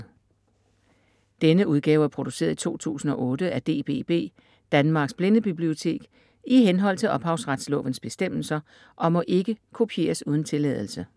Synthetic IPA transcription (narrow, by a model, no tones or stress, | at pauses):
d̥enəʔuð̞ˠɡ̥ɛ̰ːʊæɐpʰʁo̝d̥use̝̰ːɐð̞ˠi̥t͡sʰo̝̰ːt͡sʰṵːsn̩ɒ̽ʔɔ̽ːd̥əæd̥e̝̰ːb̥e̝̰ːb̥e̝̰ː | d̥ænmɑ̈ːɡ̥sb̥le̝nəb̥ib̥lio̝t͡sʰe̝̰ːɡ̥ | iɦenɦɒ̽l̰t͡sʰe̝lʔɒ̽b̥hɑ̈ʊsʁad̥slɔ̰̽ːʋən̩sb̥e̝sd̥em̰l̩sɐ | ʔɒ̽mɒ̽ʔe̝ɡ̥əkʰo̝pʰie̝̰ːɐsuð̞ˠən̩t͡sʰe̝lɛð̞ˠl̩sə